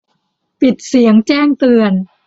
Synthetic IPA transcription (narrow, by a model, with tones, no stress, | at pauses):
pi˨˩t̪̚si˩˦əŋt͡ɕɛː˥˩ŋt̪ɯ˧ən